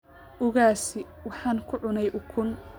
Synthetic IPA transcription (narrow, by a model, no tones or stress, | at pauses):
ʔʊɣaːsɪ | wɑħɑːnkʰʊʕʊnɛjʔʊkʰʊn